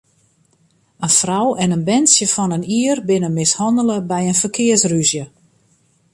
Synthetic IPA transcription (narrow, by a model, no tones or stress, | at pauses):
ənfrawɛnənbɛnsjəfɔnəniərbɪnəmɪshɔndələbɛjənfərkʰɪərsryzjə